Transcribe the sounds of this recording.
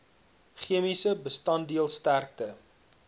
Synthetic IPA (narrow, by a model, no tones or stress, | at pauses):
χiəmisəbəstɐndiəlˠstærk̚tə